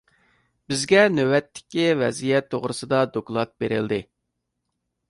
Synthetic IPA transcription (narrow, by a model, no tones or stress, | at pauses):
bɪzɡʲɛnøwɛt̪ʰːɪ̥kʲːivɛzijɛt̪ʰːoʁɾɨsɨd̪ɑd̪oklˠɑt̪̚beɾɪld̪ɪ